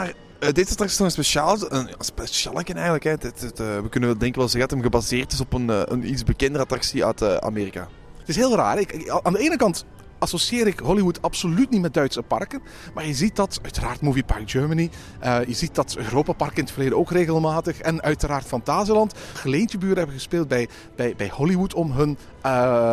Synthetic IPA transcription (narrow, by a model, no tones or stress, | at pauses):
maːr | dezɑtraksi̥stɔənspeʃaːlˠənaspeʃa̰ːlˠəkənɛjənləkɦɛdɪttːʋəkɵnənʋɛlˠdɛŋkənʋɛlˠzɛɣədɑtəmɣəbazeːrtɪsɔpənə̰nidzbəkɛndərəɑtraksia̰ːtʰəa̰meːrika̰ː | tɪsɦeːlˠra̰ːrɪkaːndəeːnəkɑnt | ɑsosieːɾɪkɦɔliwutɑpsolytnitmɛt̚dœɥtsəpɑ̰rkən | maːɹjəzit̚dɑtœɥtəraːrtmuːvipɑrk̚d͡ʒøːɹməni | ʔəjəzit̚d̥ɑtøːɾoːpapɑrkɪnətfərleːdəoːkreːɣəlˠmaːtəxɛnœɥtəɾaːrtfɑntaːzəlɑntɣəlejntəbyːɾəɦɛbəɣəspeːlˠt̚bɛj | b̥ɛjbɛjhɔliwutɔmɦɵn | ə